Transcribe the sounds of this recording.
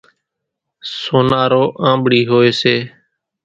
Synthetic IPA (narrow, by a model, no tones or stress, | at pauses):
soːnaːɾoːʔãːɓɽiːɦoːeːseː